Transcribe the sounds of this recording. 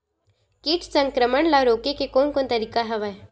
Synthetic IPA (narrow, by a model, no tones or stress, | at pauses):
kɪʈʰsə̃ŋkɾəməɳlaɾoːkekekoːnkoːnt̪ɐɾiːkaɦɐʋae